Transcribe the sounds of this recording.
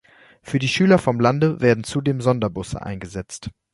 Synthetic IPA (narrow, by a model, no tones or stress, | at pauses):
fyːɐdiːʃyːlɐfɔmlandəveːɐdn̩t͡sudeːmzɔndɐbʊsə̰ʔa̰ɪnɡəzɛt͡st